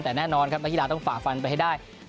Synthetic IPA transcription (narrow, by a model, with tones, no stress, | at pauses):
t̪ɛː˨˩nɛː˥˩nɔː˧nkʰa˦˥p̚na˦˥ki˦˥laː˧t̪ɔ˥˩ŋfaː˨˩k̚fa˧npa˧jɦa˥˩jdaː˥˩j